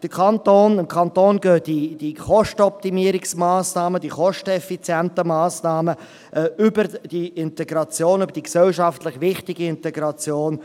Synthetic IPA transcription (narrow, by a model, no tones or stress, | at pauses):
d̥əkʰɑnt̪oːnɪmkʰɑnt̪oːnɡ̥øːd̥id̥iχɔʃtəɔp̚t̪imiəɾɪksmaːsnɑːmədiχɔʃtɛfit͡sjɛnt̪əmaːsnɑːmə | ʔɛʏbəɾd̥iɪnt̪ɛɡɾɑt͡sjoːnʏbəɾd̥iksɛlʃɑftlɪχʋɪχtɪɡiɪntɛɡɾɑt͡sjoːn